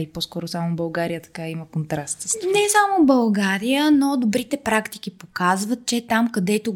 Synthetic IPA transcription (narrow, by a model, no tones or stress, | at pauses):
ipɔskɔɾʊsamobɐlˠɡaɾijət̪ɐ̥kaiməkont̪ɾast̪nɛsamobɐlˠɡaɾijənod̪obɾit̪ɛpɾakt̪i̥k̟ipokazvət̪̚t͡ʃɛt̪amkɐd̪ɛt̪o